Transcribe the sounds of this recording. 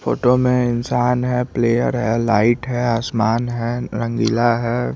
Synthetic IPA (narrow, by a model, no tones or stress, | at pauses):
fo̰ːʈomẽɪnsaːnɦɛpleːjə̰ɾɦɛlaːɪʈɦɛaːsmaːnɦɛɾə̃ŋɡilaɦɛː